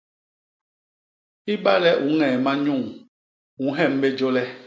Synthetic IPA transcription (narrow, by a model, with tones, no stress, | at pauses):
i˦ɓa˦lɛ˦ʔu˨˦ŋɛ˨ma˦ɲũ˦˨ŋ | ũ˨˦ɦɛ˦˨m̩˦be˦d͡ʒo˦lɛ˦